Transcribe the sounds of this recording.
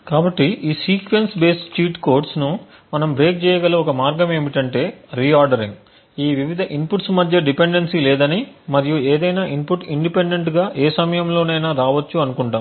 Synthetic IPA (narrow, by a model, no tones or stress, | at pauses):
kaːbɐʈːiʔiːsiːkʋensbe̞ːsʈiːʈkoːɾʈsnu | mɐnɐmbɾe̞ːk̚t͡ʃɛːjɐɡɐlːɐɔkɐmaːɾɡɐme̞ːmiʈɐɳʈe̞ːɾiːaːɾɖɐɾiŋɡ | iːʋiʋid̪ʱɐʔimpuʈsmɐd̪ʱjɐɖipeɳɖensilɛːd̪ɐnimɐɾijueːd̪ɐjnaːʔinpuʈiɳɖipeɳɖeɳʈɡaːʔeːsɐmɐjɐmlo̞ːnɐjnaːɾaːʋɐt͡ʃːuɐnukuɳʈaːm